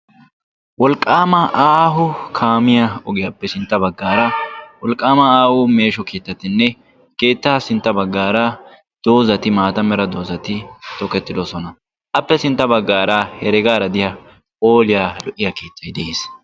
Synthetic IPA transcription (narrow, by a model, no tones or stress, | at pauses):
wɔlkʼːaːmɐʔaːɦʊkʰaːmɪjɐɔɡɪjɐpːɛsɪnt̪ːɐbɐɡːaːɾɐwɔlkʼːaːmɐaːwʊːme̞ːʃɔkeːt̪ːɐt̪ɪnːɛ | ke̞ːt̪ːɐsɪnt̪ːɐbɐɡːaːɾɐ | d̪̥o̞ːzɐt̪ɪmaːt̪ɐmɛɾɐd̪o̞ːzɐt̪ɪt̪ɔkɛt̪ːɪd̪osɔnɐ | ʔɐpːɛsɪnt̪ːɐbɐɡːaːɾahɛɾɛɡaːɾɐd̪ɪjɐ | oːlɪjalɔʔːɪjɐkeːt̪ːɐjd̪ɛeːs